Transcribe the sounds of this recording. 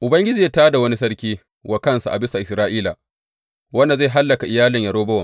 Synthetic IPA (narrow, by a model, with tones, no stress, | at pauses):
ʔʊ˨bɐ˦ŋɡʲɪ˦d͡ʒiː˨ja˦taː˦da˨wɐ˦ni˦sɐ˦ɽkʲiː˦ | wʔa˨kɐ˦nsa˨ʔa˨bɪ˦sa˨ʔɪ˨sɾaː˦ʔiː˦la˨ | wɐ˦nda˨za˦˨ɦa˦lːɐ˨ka˨ʔɪ˨jaː˦lɪ˨ɲja˨ɾoː˦bɐ˦wɐ˨m